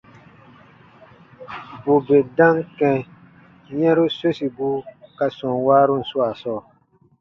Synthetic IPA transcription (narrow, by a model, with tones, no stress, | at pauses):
bo˨be˨dã˦ŋkɛ̃˧ | jɛ̃˦ɾu˦so˦si˨bu˦ka˧sɔ̃˨waː˦ɾu˦n̩˨su˦a˨sɔː˦˨